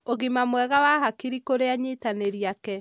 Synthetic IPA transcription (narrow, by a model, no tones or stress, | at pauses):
oɣimamwɛɣawahakiɾikoɾeaɲetaneɾiakɛ